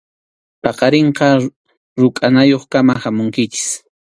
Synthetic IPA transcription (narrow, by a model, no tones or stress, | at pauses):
pɑqɑɾeɴqɑ | ɾʊkʼanajoχkamahamʊŋkɪt͡ʃɪ̥s